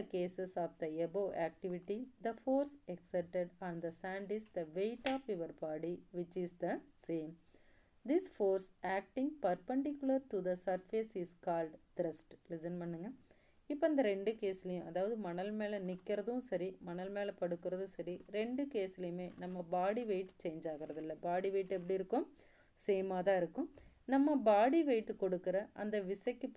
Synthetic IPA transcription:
ɐkeːsɛsaːfd̪ɐɛboːʔæːk̚ʈɪʋɪʈːid̪ɐfoːɾsɛksɛp̚ʈeɖɐ̃nd̪ɐsãːɳɖɪsd̪ɐʋeɪʈaːpɪʋɐɾpaːɽiʋɪt͡ʃːɪsd̪ɐseːm | d̪ɪsfoːɾsæːk̚ʈɪ̃ŋɡpɐɾpɐɳɖɪkːjʊlɐɾʈud̪ɐsɐɾfesɪskaːlɖt̪ɾɐsʈlɪsɐnpɐɳːɯŋɡɐ | ɪpːoɐnd̪ɐɾɛɳɖɯkeːsɪlɐjʊ̃ʔɐðaːʋɐðɯmɐnɐlmeːlɐnɪkːɪɾɐðʊ̃sɐɾimɐnɐlmeːlɐpɐɽɯkːɯɾɐðʊ̃sɐɾiɾɛɳɖɯkeːsɪlɐjʊ̃meːnɐmːɐbaːɽiʋeɪʈt͡ʃeːɲd͡ʒaːɣɪɾɐðɪlːɐbaːɽiʋeːʈːɛp̬ːɐɽiɪɾɯkːʊm | seːmaːt̪ãːɪɾɯkːʊ̃ | nɐmːɐbaːɽiʋeɪʈːɯkɔɽɯkːɯɾɐʔɐ̰nd̪ɐʋɪsɐkːɯp

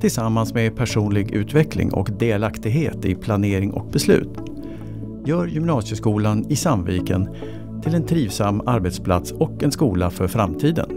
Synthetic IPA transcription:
t̪ʰɪlsamːansmepʰæʂuːnlɪɡʉ̟ːt̪vɛklɪ̰ŋʔɔ̰kd̪eːlakt̪ɪɡɦeːt̪ɪpʰlaneːɾɪŋʔɔ̰k̚bɛslʉ̟̰ːt̪ | jœːɾjʏmnɑːsjəskuːlanɪsamviːkən | t̪ʰɪlɛnt̪ʰɾiːvsamːaɾbɛt̪spʰla̰t̪sɔkɛnskuːlafœɾfɾamt̪ʰiːd̪ə̰n

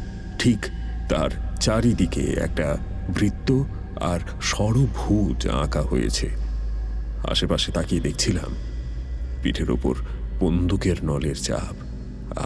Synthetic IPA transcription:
ʈʰikt̪aɾt͡ɕaɾid̪ikḛɛ̰k̚ʈa | bɾit̪ːo | a̰ɾ | ʃɔɽobʱud͡ʑã̰kaɦojḛt͡ɕʰe | a̰ʃepaʃet̪aked̪ek̚ʰt͡ɕʰila̰m | piʈʰeɾo̰po̰ɾ | b̥ond̪ukeɾnɔleɾt͡ɕa̰b | a

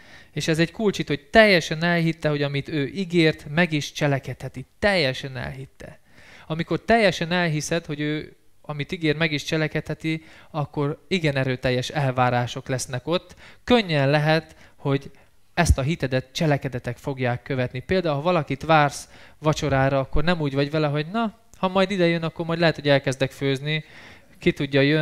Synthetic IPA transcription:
eːʃɛzɛɟkult͡ʃit̪ho̞ɟ̚t̪ɛjːɛʃɛnɛlɦit̪ːɛɦo̞ɟɒmit̪øːʔiɡeːrt̪mɛɡiʃt͡ʃɛlɛkɛt̪hɛt̪it̪ɛjːɛʃɛnɛ̰lɦit̪ːɛ̰ | ɒmiko̞rt̪ɛjːɛʃɛnɛlɦisɛt̪ho̞ɟøːɒmit̪iɡeːrt̪mɛɡiʃt͡ʃɛlɛkɛt̪hɛt̪iɒkːo̞ɾiɡɛnɛɾøːt̪ɛjːɛʃɛlvaːɾaːʃo̞klɛsnɛko̞t̪ːkø̞ɲːɛnlɛɦɛt̪ho̞ɟ | ɛst̪ɒɦit̪ɛd̪ɛt̪t͡ʃɛlɛkɛd̪ɛt̪ɛkfo̞ɡjaːkːøvɛt̪nipeːld̪aːulhɦɒvɒlɒkit̪ʋaːrsʋɒt͡ʃo̞ɾaːɾɒɒkːo̞rnɛmuːɟvɒɟʋɛlɛɦo̞ɟnɒ | hɒmɒjd̪id̪ɛjønɒkːo̞rmɒjd̪lɛɦɛt̪ho̞ɟɛlkɛzd̪ɛkføːzni | kit̪uɟːɒjø

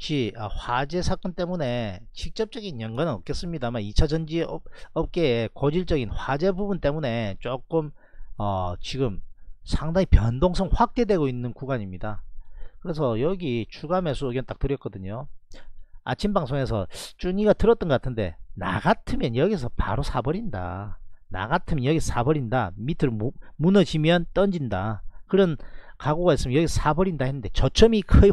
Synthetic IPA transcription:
t͡ɕiʌɸwad͡ʑe̞sʰak͈ʌnt͈e̞mune̞t͡ɕik̚t͡ɕ͈ʌp̚t͡ɕ͈ʌɡinjʌnɡwanɯnʌp̚k͈es͈ɯmɲidamait͡ɕʰad͡ʑʌnd͡ʑiʌp̚k͈e̞kʌd͡ʑiɭt͡ɕ͈ʌɡinɸwad͡ʑe̞bubunt͈e̞mune̞t͡ɕ͈ok͈ɯm | ʌt͡ɕiɡɯmsʰaŋdaŋipjʌndoŋsʰʌŋɸwak̚t͈e̞dwe̞ɡoinːɯnkuɡaɲimɲidakɯɾe̞s̬ʰʌjʌɡit͡ɕuɡame̞sʰoːɡjʌnt͈ak̚t͈ɯɾjʌk͈ʌdɯɲo | a̰t͡ɕʰimbaŋsʰoŋes̬ʰʌ̰t͡ɕ͈uɲiɡatɯɾʌt͈ʌnɡʌk͈atʰɯnde̞̰na̰ɡatʰɯmjʌnjʌɡis̬ʰʌpa̰ɾosʰabʌɾinda̰na̰ɡatʰɯmjʌnjʌɡisʰʌ̥sʰabʌɾinda̰mitʰɯɾmunʌd͡ʑimjʌnt͈ʌnd͡ʑindakɯɾʌn | kaɡoɡaes͈ɯmjnjʌɡisʰʌsʰabʌɾindaɦhenːɯnde̞t͡ɕʌt͡ɕʰʌmikʰɯ

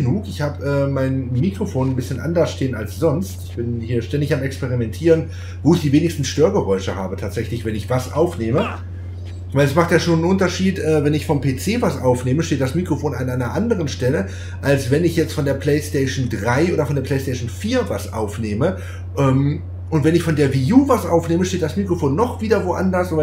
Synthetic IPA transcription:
ənuːkɪçhaːbəʔɛːmaɪnmiːkʁ̥ofoːnnbɪsçənʔa̰ndɐsʃteːənalsz̥ɔnstɪçb̥ɪnhiːɐʃtɛndɪçamɛkspeʁ̞imɛntʰiːʁən | voːɪçd̥iːveːnɪçstn̩ʃtøːɐɡəʁɔʏʃəhaːbətʰaːtz̥ɛçlɪçv̥ɛnɪçv̥asʔa̰ʊfneːmə | v̥aɪlɛsmaχtjaːʃoːnnʔʊntɐʃiːtʔɛːvɛnɪçfɔmpʰeːt͡seːvasʔaʊfneːməʃteːt̚d̥asmiːkʁ̥ofoːnʔanʔaɪnɐʔandəʁənʃtɛlə | ʔalsv̥ɛnɪçjɛt͡stfɔndeːɐpʰl̥ɛɪstɛɪʃndʁaɪʔoːɾɐfɔndeːɐpʰl̥ɛɪstɛːʃn̩fiːɐvasʔa̰ʊfneːmə | ʔɛːm | ʔʊntv̥ɛnɪçfɔndeːɐviːjuːvasʔaʊfneːməʃteːt̚d̥asmiːkʁ̥ofoːnːɔχv̥iːdɐvoʔa̰ndɐsa

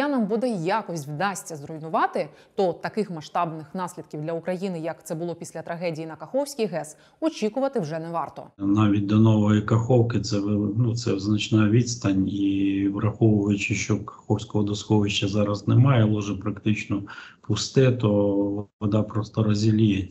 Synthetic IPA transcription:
anɑmbud̪ɛjakɔsʲtʲwd̪ɑsʲtʲːɐzrɔjnʊʋɑt̪ɪ | t̪ɔt̪ɐkɪxmɐʃt̪ɑbnɪxnɑsʲlʲid̪̚kʲiwdʲlʲɐʊkɾɐjinɪjɐkt̪sɛbʊlˠɔpʲi̥sʲlʲɐt̪ɾɐɦɛdʲijinɐkɐxɔwsʲkijɦɛs | ɔt͡ʃʲikʊʋɐt̪ɪwʐɛnɛʋɑrt̪ɔ̰nɑʋʲit̚ʲd̪ɔnɔʋɔjikɐxɔwkɪt̪sɛnut̪sɛznɐt͡ʃnɑʋʲid̪st̪ɐnʲiʋrɐxɔʋʊʋɐjʊt͡ʃɪʃt͡ʃɔkɐ̥xɔwsʲkɔɦɔd̪ɔsxɔʋɪʃt͡ʃːɐzɑɾɐznɛmɑjɛlˠɔʒɛpɾɐkt̪ɪt͡ʃnɔpʊst̪ɪt̪ɔɔd̪ɑpɾɔst̪ɔɾɔzʲilʲijɛtʲ

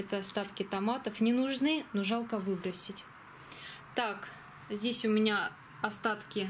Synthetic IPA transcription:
ɛt̪əɐst̪at̪kʲɪt̪ɐmat̪əfnʲɪnʊʐnɨnoʐalˠkəvɨbɾəsʲɪtʲ | t̪ak | zʲdʲesʲʊmʲɪnʲa | ɐst̪at̪kʲɪ

